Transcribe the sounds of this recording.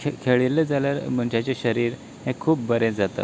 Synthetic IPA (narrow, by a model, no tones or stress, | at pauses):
kʰeɭiled͡zaljaɾm̤əɳd͡ʑat͡ɕeɕəɾiːɾ | hẽkʰuːp̚bəɾẽd͡zat̪ə̰